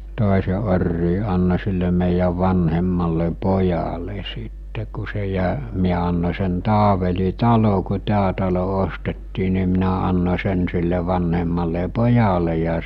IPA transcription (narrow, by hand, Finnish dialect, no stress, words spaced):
toˑese orːiː ɑnːo̟ silːe meˑijæʋ ʋɑnhemːɑlːe pojɑle sitːe ku se jæ miæ ɑnːo̟ sen tɑːʋeli tɑlo ku tæː tɑlo ostetːiː ni minæ ɑnːo̟ sen silːe ʋɑnhemːɑlːe pojɑle jɑ